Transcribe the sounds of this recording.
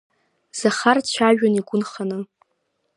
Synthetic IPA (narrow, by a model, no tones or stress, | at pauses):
z̥aχart͡ɕʷʰaʒᶣaniɡʷʊnχanɨ